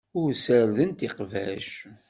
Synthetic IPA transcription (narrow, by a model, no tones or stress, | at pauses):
ʊɾsəɾðənt̪iqvæ̰ʃ